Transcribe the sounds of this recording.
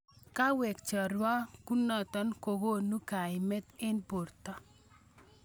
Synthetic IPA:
ka˦wɛ˨kt͡ʃɔ˨ɾwa˦ku˦nɔ˨t̪ɔ˦nko˨ɡo˦˨nu˦ka˨ɪ˨mɛ˦t̪ɪ˦npo˨ɾt̪ɔ˦

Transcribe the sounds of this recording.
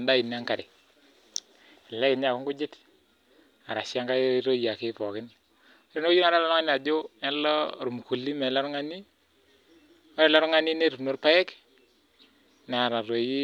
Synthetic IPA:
nda˦i˨n˦a˦ŋka˨ɾɪ˨ | lɛ˦kɪ˨ɲa˨ku˦ŋku˦d͡ʒɪ˦t | a˨ɾa˨sa˦ŋka˦ɾo˦ja˨kɪ˦pɔ˨kɪ˦n˦ | ɾi˦no˦i˦na˨˦ɾa˦lɔ˦ɾa˦ni˦a˨d͡ʒo˦ɛ˦lɔ˦˨ɾu˨m˨ku˨lːi˦me˨lɔ˦ɾŋa˦ni˦ | ɔ˦ɾɛ˨lɔ˦ɾŋa˦ni˦ne˦ɾu˨nu˦ɾpa˦jɛ˦k | na˨ɾa˨ɾo˨ji˦

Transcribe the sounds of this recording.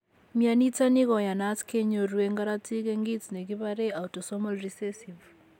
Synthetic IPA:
mja˨ni˦ta˦ni˦ɣɔ˨ja˨na˦skʰe˦ɲo˨ɾwe˦ŋɡa˦ɾa˦ti˦kɛ˦ŋɡi˦tne˨ɣi˦βa˦ɾe˦a˨uto˨sɔmɔlɾisɛsiv

